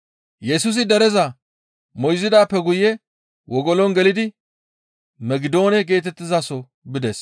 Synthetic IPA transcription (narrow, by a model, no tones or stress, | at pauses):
jɛsuːs̬ɪd̪ɛɾɛzɐ | mɔjɪzɪd̪aːpːɛɡʊjɛ | wɔɡɔlɔnɡɛlɪd̪ɪ | mɛɡɪd̪o̞ːnɛɡe̞ːt̪ɛt̪ːɪzasɔ | bɪd̪ɛs